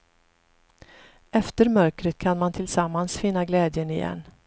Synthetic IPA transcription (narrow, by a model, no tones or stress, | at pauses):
ɛft̪əɾmœɾkɾət̪̚kʰanmant̪ʰɪlsamːansfɪnːaɡlɛːd̪jənɪjɛ̰nː